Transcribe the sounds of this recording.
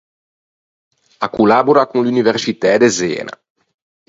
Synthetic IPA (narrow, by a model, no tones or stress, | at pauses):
akulaːboɾakunluniversit̪ɛd̪ezɛ̰ːna̰